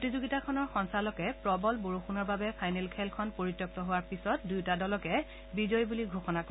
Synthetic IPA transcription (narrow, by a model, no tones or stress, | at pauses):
tizoɡitakʰɔnɔɹxɔnsalɔkɛpɹɔbɔlboɹoxunɔɹbabɛpʰajnɛlkʰɛlkʰɔnpoɹitːjɔk̚tɔɦowaɹpisɔt̚dujtadɔlɔkɛ | bizɔjbuliɡʱoxɔnak